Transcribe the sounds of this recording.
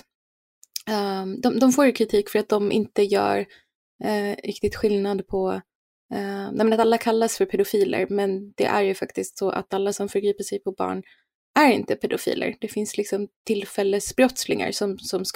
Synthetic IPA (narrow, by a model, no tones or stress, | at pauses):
d̪ɔmd̪ɔmfoːɾjɵkʰɾɪt̪ʰiːkfœɾat̪̚d̪ɔmʔɪ̰nt̪əjœ̰ːɾ | ɾɪ̰kt̪ɪɡ̚t̪ɧɪlnad̪pʰɔ | nɛmɛnat̪alːakʰalːasfœɾpʰɛd̪ʊfiːlə̰ɾmɛnd̪̥ɛ̰ʔæɾjɵfakt̪ɪst̪sɔʔa̰t̪alːasɔmfœɾɡɾiːpəʂɛjpʰɔbɑ̰ːɳ | æɾɪ̰nt̪əpʰɛd̪ʊfḭːlʔə̰ɾd̪ɛfɪnslɪksɔmt̪ʰɪlfɛlːəsbɾɔt̪slɪŋa̰ɾsɔmsɔms